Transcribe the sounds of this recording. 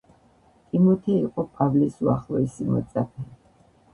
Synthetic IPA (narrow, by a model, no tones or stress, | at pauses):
t̪ʼimɔt̪ʰɛiqʼɔpʼavlisuaχlˠɔɛsimɔ̰t̪sʼapʰɛ